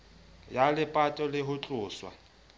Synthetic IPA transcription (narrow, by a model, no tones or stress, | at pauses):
jalɪpʼatʼɔlɪɦʊt͡ɬʼʊːswa̰